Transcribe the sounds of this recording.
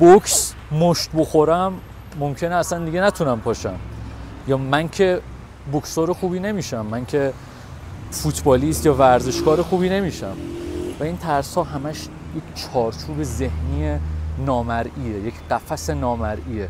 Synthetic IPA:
bokʰs | moʃt̪boxoɾæmː | omcʰe̞neæsænd̪iɟenæt̪ʰunæmpʰɒːʃæm | jɒːmæncʰe̞ | boksoːɾexuːbiːne̞miːʃæmːæŋcʰe | fut̪ʰbɒːliːst̪jɒːvæɾze̞ʃɡɒːɾexuːbiːne̞miːʃæ̰mvæiːnt̪ʰæɾshɒːɦæmæʃ | jecʰt͡ʃʰɒːɾt͡ʃʰuːbe̞ze̞hniːjenɒːmæɾiːejecʰɢæfæse̞nɒːmæɾʔiːe

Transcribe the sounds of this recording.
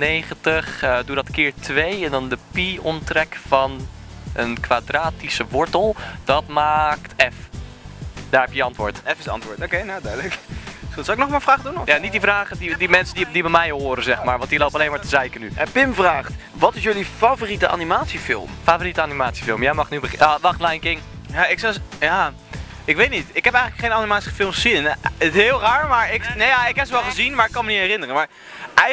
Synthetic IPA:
nejχəntəχdudɑtəkɪːɹtʋejɛndɑndəpiɔntrɛkfɑnʔənkʋadraːtisəʋɔɹtəlˠd̥ɑtmaːktɛf | d̥aːɹɦɛpjəɑntʋʊːɹtɛfɪsɑ̰ntʋʊːtokejnadœdləksawɪknɔχmaːfraːχdunjaːnit̚divraːχədidimɛnsəndidibɛmɛjɦoːɾəzɛχmaːɹʋɑntilowpɑlejnmaːɹtəzɛjkənyɛpɪmvraːχt | ʋɑtɪsjɵlifavoritəʔa̰nimaːtsifɪ̰lˠmfavoritəanimaːtsi̥fɪlˠmjɛjmɑχnybəχʋɑχtlajŋkɪŋjaɪksɛjaː | ɪkʋejtnitɪkɦɛpɛjələkχejnanimaːtsiχəfɪlˠmssinɦɪːlˠraːɹmaːɹɪknejaːɪkɦɛpsəʋɛlˠχəzinmaːɹɪkːɑnmənitɦɛrɪnərənmaːɹ | ʔɛ

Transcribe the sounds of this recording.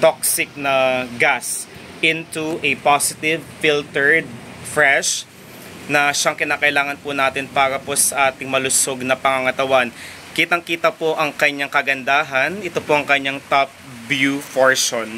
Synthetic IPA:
t̪ok̚sɪk̚nɐɡas | ʔɪnt̪uʔɛpasɪt̪ɪvfilt̪ɛɹd̪̚ | fɹɛʃ | nɐʃaŋkɪnaːkɐʔɪlaːŋɐnpʊnaːt̪ɪnpaːɾɐposɐʔaːt̪ɪŋmɐlʊsoɡ̚nɐpɐŋaŋɐt̪ɐwan | kiːt̪ɐŋkiːt̪ɐpo̞ʔɐŋkɐɲaŋkɐɡɐnd̪aːɦɐnɛt̪opoʔɐŋkɐɲaŋt̪op̚ | bjufoɹʃon

